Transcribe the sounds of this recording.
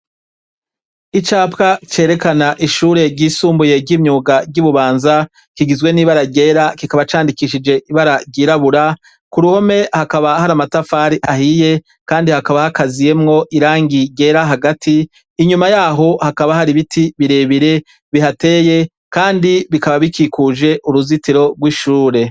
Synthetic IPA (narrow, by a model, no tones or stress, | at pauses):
it͡ʃaːpkat͡ʃe̞ːɾe̞kanaʔiʃuːɾe̞ɟiːsuːmbuje̞bɟimɲuːɡabɟuβuβaːnza | kiɡizwe̞niːβaɾaɾɟe̞ːɾakikaβat͡ʃaːndikiʃid͡ʒe̞ʔiβaɾaɾɟiːɾaβuɾa | kuɾuho̞me̞hakaβahaɾamatafaːɾiʔaɦije̞ | kaːndihakaβahakazije̞mŋo̞ʔiɾaːŋɡiɟe̞ːɾaɦaɡatʰiː | ɲumajaːɦo̞hakaβahaɾiβitʰiβiɾe̞βiɾe̞ | βiɦate̞ːje̞ | kaːndiβikaβaβikikuʒe̞ʔuɾuzitiɾo̞ɡwiʃuːɾe̞